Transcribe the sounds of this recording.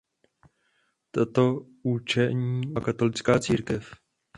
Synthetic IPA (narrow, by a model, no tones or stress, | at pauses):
t̪at̪o̞ | ut͡ʃɛɲiːakat̪o̞lɪt͡skaːt͡siːɾkɛf